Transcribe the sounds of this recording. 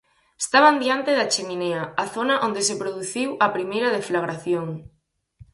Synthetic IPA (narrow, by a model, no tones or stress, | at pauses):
est̪aβ̞and̪iant̪eðat͡ʃemineɐaθonɐʔond̪esepɾoðuθiwɐpɾimejɾɐðeflaɣɾaθjoŋ